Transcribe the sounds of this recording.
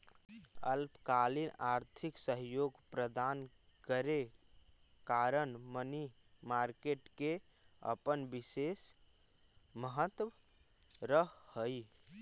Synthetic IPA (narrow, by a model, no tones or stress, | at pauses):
ə̰lpkalinaɾt̪ʰiksəɦjoɡpɾəd̪an | kəɾe | kaɾənməni | maɾkeʈke | ə̰pənbises | məɦət̪ | ɾəɦhəj